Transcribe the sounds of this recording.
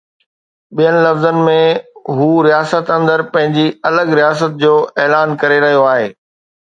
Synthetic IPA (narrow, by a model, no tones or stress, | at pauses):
ɓijənɪ̆lɐfzənɪ̆mẽɦuːɾijaːsət̪ɐ̃nd̪əɾpɐ̃ɦɪ̃ɲd͡ʑiɐləɡɾijaːs̬ət̪̚d͡ʑoːʔɛːlaːnkɐɾeɾɐɦijoaːɦeː